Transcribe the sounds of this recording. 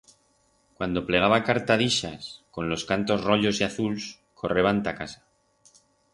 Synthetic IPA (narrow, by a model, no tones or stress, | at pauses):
kwand̪o̞ple̞ɣ̞aβakaɾt̪aðiʃasko̞nlo̞skant̪o̞zro̞ʎo̞siaθuls | kʰo̞re̞β̞ant̪akasḁ